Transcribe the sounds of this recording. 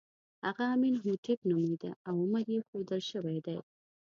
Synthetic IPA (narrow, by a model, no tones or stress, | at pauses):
haɣaːminɦut̪ʰɪpnumijd̪a̰awʊmaɾjexod̪əlʃəwajd̪aj